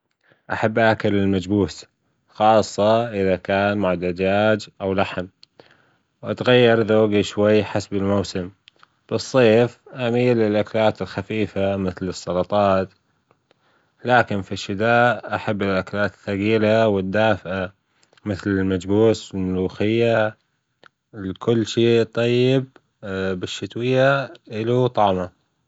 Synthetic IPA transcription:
ʔaħabːʔaːkalɪlmad͡ʒbuːs | xɑːsˤːɑʔɪðakaːnmʊʕd̪ad͡ʒaːd͡ʒʔawlaħm | wʔat̪ɣajːɑɾˤðaːɡiʃwajːħasbɪlmawsɪm | b̥ɨsˤːeːfʔamiːlɪlʔakalaːt̪ɪlxafiːfamɪθlɨsˤːɑlɑt̪ˤɑːt̪ | laːkɪnfiʃːɪd̪aːʔʔaħabːɪlʔaklaːt̪ɪ̥θaɣiːlawɪd̪ːaːfʔa | mɪθlɪlmad͡ʒbuːsɪlmʊluːxɪjːa | lkʊlːʃeːt̪ˤɑjːɪb̚ | bɪʃːɪt̪wɪjːaʔɪlut̪ˤɑʕma

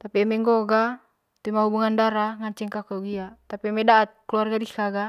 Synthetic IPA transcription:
t̪apiamɛŋɡɔɡa | t̪imaɦubuŋandaɾaŋaɲt͡ʃɛŋkakɔɡiat̪apiamɛdaːt̪̚kluarɡadikaɡa

